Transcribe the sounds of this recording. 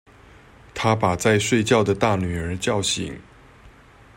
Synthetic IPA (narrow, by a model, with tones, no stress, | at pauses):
t̪ʰa˥pa˨˩t͡sa˥˧ɪʂwe˥˧ɪt͡ɕjɑ˥˩ʊd̪ə˩t̪a˥˩ny˨˩ə˞˨˥t͡ɕjɑ˥˩ʊɕḭ˨˦ŋ